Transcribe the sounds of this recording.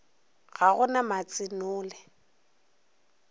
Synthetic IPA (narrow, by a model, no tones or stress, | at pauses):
ɣaɣʊnamat͡sʼɪnʊːlɛ